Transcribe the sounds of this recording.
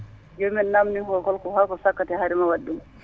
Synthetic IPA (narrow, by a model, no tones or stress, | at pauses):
d͡ʒomɛnnamnihɔlkɔlkɔhakɔsakːatɛhaɾimawaɗːum